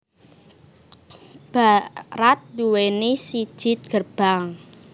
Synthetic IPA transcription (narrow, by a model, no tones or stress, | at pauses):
b̥aɾat̪̚duwenisi̥ʒ̥ɪt̪̚ɡ̥ərb̥aŋ